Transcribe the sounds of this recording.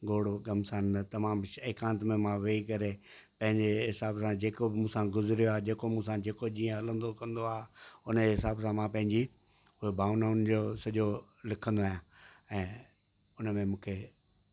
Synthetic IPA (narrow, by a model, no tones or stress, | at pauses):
ɡoːɽoɡɐmsaːnt̪ɐmaːmʃeːkãːnət̪mẽmãʋeikɐɾe | pɐ̃ɦɪ̃ɲd͡ʑeɦɪsaːbsãd͡ʑeːkobɪmũːsãɡʊzɪɾijoaːɦed͡ʑeːkomũːsãd͡ʑeːkod͡ʑĩːə̃ɐlə̃nd̪okɐ̃nd̪oaːɦʊneɦɪsaːbsãmãpɐ̃ɦɪ̃ɲd͡ʑi | ʊebʱaːʊnaʊnd͡ʑoːsɐʄo | lɪkʰə̃nd̪oaːjãɛ̃ː | ʊnəmẽmũːkʰe